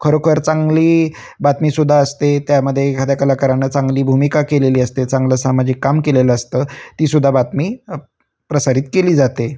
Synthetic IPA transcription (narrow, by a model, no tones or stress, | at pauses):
kʰəɾəkʰəɾt͡saŋɡliː | bat̪miːsud̪ʱːaəst̪et̪jaməd̪ʱːjekʰat̪jakəlakəɾanːət͡saŋɡliːbʱumikakeleliːəst̪et͡sãŋɡləsamad͡ʑiːkːamkeleləəst̪əːt̪iːsud̪ʱːabat̪miː | pɾəsaɾiːt̪keliːd͡zat̪e